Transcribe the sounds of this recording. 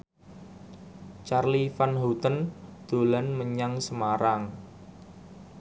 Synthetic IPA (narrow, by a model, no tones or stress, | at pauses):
t͡ʃarlifanɦut̪ənd̪̥o̤lanməɲaŋsəmaɾaŋ